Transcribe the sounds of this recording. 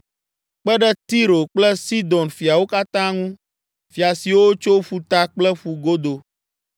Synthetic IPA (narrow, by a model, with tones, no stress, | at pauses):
k͡pɛ˦ɖɛ˦t̪i˦ɾo˨k͡plɛ˦si˦d̪ɔ˨nfi˨a˨wo˦ka˦t̪ã˦ŋũ˦ | fi˨a˨si˨wo˦t͡ʃo˦ɸu˦t̪a˦k͡plɛ˦ɸu˨ɡo˦d̪o˨